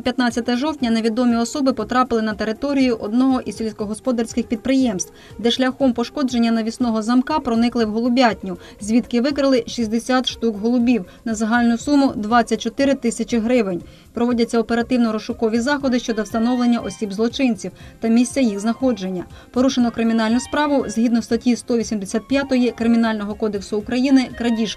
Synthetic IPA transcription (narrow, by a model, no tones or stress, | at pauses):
pʲjɐt̪nɑt͡sʲɐt̪ɛɔʒɔwtʲnʲɐneʋʲid̪ɔmʲiɔsɔbɪpɔt̪ɾɑpɪlˠɪnɐt̪eɾɪt̪ɔɾʲijʊʔɔd̪nɔɦɔʔizssʲelʲsʲkɔɦɔspɔd̪ɐrsʲkɪxpʲid̪̚pɾɪjɛmst̪w | d̪ɛʃlʲɐxɔmpɔʃkɔd͡ʒenʲːɐnɐʋʲisnɔɦɔzɐmkɑpɾɔnɪklˠɪwɦɔlˠʊbʲatʲnʲʊ | zʲʋʲit̪kɪʋɪkɾɪlˠɪʃisʲd̪esʲat̪ʃt̪ukɦɔlˠʊbʲiw | nɐzɐɦɑlʲnʊsumʊd̪ʋɑt͡sʲːɐt̚ʲt͡ʃɔt̪ɪɾɪt̪ɪsʲɐt͡ʃɪɦɾɪʋenʲ | pɾɔʋɔdʲɐt͡sʲːɐɔpeɾɐt̪ɪwnɔɾɔʃʊkɔʋʲizɑxɔd̪ɪʃt͡ʃɔd̪ɔwst̪ɐnɔwlˠe̞nʲːɐʔɔsʲibzlˠɔt͡ʃɪnʲt͡sʲiwt̪ɐmʲisʲtt͡sʲɐjixznɐxɔd͡ʒe̞nʲːɐ | pɔɾuʃenɔkɾɪmʲinɑlʲnʊspɾɑʋʊz̥ʲɦʲid̪nɔst̪ɐtʲjist̪ɔʋʲisʲimd̪esʲat̪̚pʲjat̪ɔjikɾɪmʲin̪ɑlʲnɔɦɔkɔd̪eksʊːkɾɐjinɪkɾɐdʲiʃk